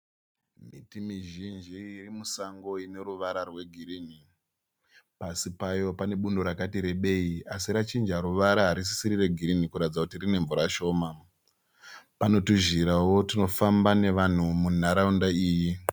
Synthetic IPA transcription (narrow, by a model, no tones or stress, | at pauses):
mḭtimiʒind͡ʒiːrimusaŋɡo̞ine̞ɾuʋaɾarwe̞ɡʱirini | pasipajo̞pane̞ɓundo̞ɾakatiɾe̞ɓe̞iasirat͡ʃind͡ʒaɾuʋaɾaɦaɾis̬i̥siɾire̞ɡʱiɾinikuɾatid͡zakutirine̞ɱvuɾaʃo̞ːma | pano̞tuʒiɾawo̞tino̞fambane̞ʋan̤umun̤aɾaundaiːji